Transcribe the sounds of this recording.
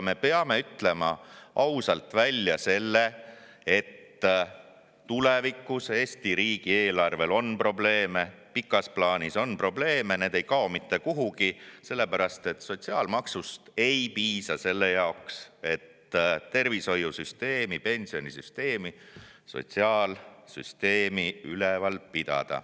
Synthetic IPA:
me̞peɑme̞yt̪ˑle̞mɑʔɑwsɑlt̪vælʲːjɑse̞lːe | e̞t̪ː | ulevikːuseːsʲt̪iɾiːɡ̥ieːlɑrve̞lo̞npro̞ble̞ːme̞ | pikːˑɑsplɑːnʲiso̞npro̞ble̞ːmene̞ːd̪̥e̞jkɑo̞mit̪ːe̞kuɦuɡ̥ise̞lːe̞pæɾɑst̪e̞t̪so̞t̪ʲsiɑːlmɑksust̪e̞jpiːsɑse̞lːejɑokse̞t̪ː | t̪e̞rviso̞jusyst̪e̞ːmipe̞nʲsionʲisyst̪e̞ːmiso̞̰t̪ʲsiɑːlsy̰st̪e̞ːmiylevɑlpid̪̥ɑ̰d̪̥ɑ̰

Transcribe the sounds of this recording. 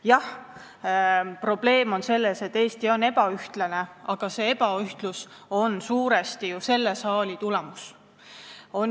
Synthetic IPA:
jɑh | pro̞b̥le̞ːmo̞nse̞lːese̞t̪ːe̞ːst̪io̞ne̞pɑyht̪lɑne̞ɑɡ̥ɑse̞epɑyht̪luso̞nsuːɾest̪ijuse̞lːesɑːlit̪ule̞mus | o̞n

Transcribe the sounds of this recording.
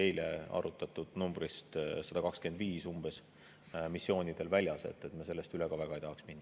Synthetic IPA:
e̞jle̞ɑ̰ɾut̪ːˑɑt̪ːud̪̥numbrist̪sɑd̪̥ɑkɑkskend̪viːsumb̥e̞s | misːo̞ːnʲid̪̥e̞lvælʲjɑse̞̰t̪ːˑe̞t̪mɑse̞lːe̞st̪yleɡ̥ɑvæɡ̥ɑejt̪ɑɑksminːɑ

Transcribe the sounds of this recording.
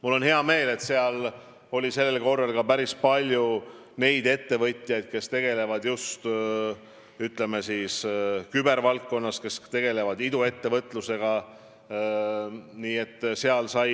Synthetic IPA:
mulːo̞nheɑme̞ːle̞t̪se̞ɑl | o̞lʲise̞lːelko̞rːɑlkɑpæɾispɑlʲju | ne̞jd̪e̞t̪ːe̞vɤt̪ʲˑjɑjd̪̥̚ke̞st̪e̞ɡ̥e̞le̞vɑd̪just̪ | yt̪ˑle̞mesiːskybe̞ɾvɑlkːo̞nːɑske̞st̪e̞ɡ̥e̞le̞vɑd̪id̪ue̞t̪ːe̞vɤt̪ːˑluse̞ɡ̥ɑ | niːe̞t̪ːˑseɑlsɑj

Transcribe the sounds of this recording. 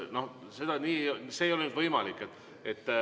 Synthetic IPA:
no̞h | se̞d̪̥ɑniːse̞jolenyd̪̥vɤjmɑlikːˑet̪ː | et̪ː

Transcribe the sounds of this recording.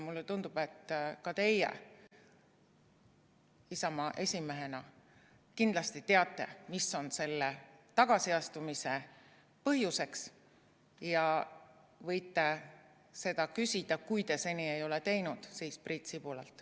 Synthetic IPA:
mulːet̪und̪ub̥e̞t̪ːkɑt̪e̞jḛ | isɑmɑʔe̞sʲime̞ɦe̞nɑ | kind̪lɑst̪it̪e̞ɑt̪ːˑe̞̰misːo̞nse̞lːet̪ɑɡ̥ɑsiɑst̪umise̞ | pɤɦjuse̞ks | jɑ | vɤ̞jt̪ːˑe̞ | se̞d̪̥ɑkysʲid̪̥ɑkujt̪e̞se̞nʲie̞jo̞let̪e̞jnud̪̥siːsprit̪sipulelt̪ːˑ

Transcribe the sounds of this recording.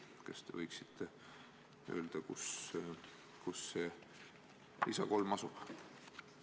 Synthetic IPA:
kɑst̪e̞̰vɤjksi̥t̪ʰːˑe | ø̞̰ːld̪̥ɑkus | kusːe | isɑko̞lmɑsub̥

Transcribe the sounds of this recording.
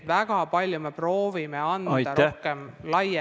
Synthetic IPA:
væɡ̥ɑpɑlʲjumepro̞ːvime̞ɑnɑɾohkemlɑje

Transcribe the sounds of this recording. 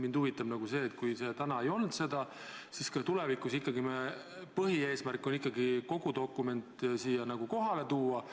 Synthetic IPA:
mind̪uvit̪ːˑɑbnɑɡ̥use̞ːt̪kujse̞ːt̪ænɑejo̞ld̪̥se̞d̪̥ɑ | siskɑt̪ulevikːˑusikːˑɑɡime | pɤɦie̞ːsmærkːˑo̞nikˑːɑɡiko̞ɡ̥ut̪o̞kːˑume̞nt̪ˑsiːjɑnɑɡ̥uko̞ɦɑle̞t̪uːɑ

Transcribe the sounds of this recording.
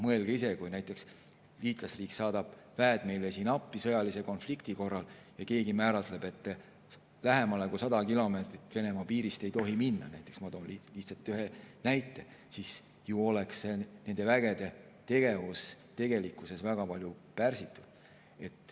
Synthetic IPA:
mɤelɡ̥eise̞kujnæjt̪ːˑe̞ks | liːt̪ˑlɑsriːksɑːd̪̥ɑb̥væːd̪̥me̞jlesiːnɑpːˑisɤjɑlise̞ko̞nflikt̪iko̞rːɑljɑke̞ːɡimæːɾɑt̪le̞b̥e̞t̪ːˑ | læɦe̞mɑlekusɑd̪ɑkilo̞me̞ːt̪ɾit̪ːve̞ne̞mɑpiːɾist̪e̞jt̪o̞ɦiminːɑ̰næjt̪ːˑeksmɑt̪oːniliht̪sɑt̪ːˑyɦenæjt̪ːˑe̞ | sis | juo̞leksːe̞ne̞nd̪̥e̞væɡ̥e̞d̪̥e̞ | t̪e̞ɡ̥e̞vust̪e̞ɡ̥e̞likːˑuse̞svæɡ̥ɑpɑlʲjupærsit̪ːˑud̪̥ | e̞t̪ˑː

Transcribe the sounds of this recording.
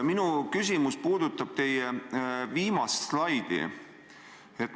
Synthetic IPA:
minukys̬ʲimuspuːd̪̥ut̪ːˑɑb̥t̪e̞jeviːmɑslɑjd̪̥ḭ | et̪ːˑ

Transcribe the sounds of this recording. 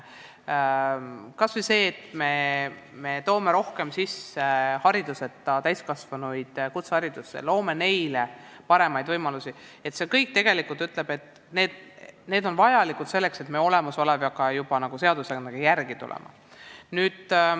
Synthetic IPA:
kɑsvise̞ːt̪me̞me̞t̪o̞ːme̞ɾo̞hke̞msisehɑɾid̪use̞t̪ːˑɑt̪æjskɑsvɑnujd̪̥kut̪sɑɾid̪̥usːḛlo̞ːme̞ne̞jle̞ | pɑɾe̞mɑjd̪̥vɤjmɑlusʲi | et̪ːse̞kɤjk̚t̪e̞ɡ̥e̞likult̪yt̪ˑle̞b̥e̞t̪ː | ne̞ːd̪̥ne̞ːd̪o̞nvɑjɑlikˑut̪se̞lːe̞kse̞t̪meo̞le̞mɑso̞levjɑkɑjub̥ɑnɑɡuse̞ɑd̪̥useneɡ̥ɑjærɡ̥it̪ṵlʔḛmɑ̰ | nyːd̪̥

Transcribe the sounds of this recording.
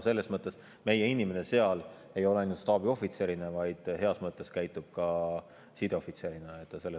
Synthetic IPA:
se̞lːe̞smɤt̪ːˑe̞s | me̞jeinʲime̞nese̞ɑl | e̞jo̞leɑjnjut̪st̪ɑːbio̞fit̪seɾinevɑjd̪̥he̞ɑsmɤt̪ːˑe̞skæjt̪ːˑub̥̚kɑ | sid̪̥eofit̪seɾineet̪ˑːɑse̞lːe

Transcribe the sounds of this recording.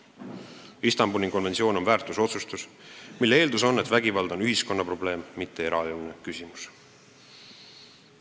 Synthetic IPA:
ist̪ɑmbunʲiko̞nve̞nt̪sio̞ːno̞nvæːrt̪ˑuso̞t̪sust̪usmilːee̞ːld̪uso̞nːe̞t̪væɡivɑld̪̥o̞nyɦisko̞nːɑpro̞ble̞ːmmːit̪ːe̞e̞ɾɑulnekysʲimus

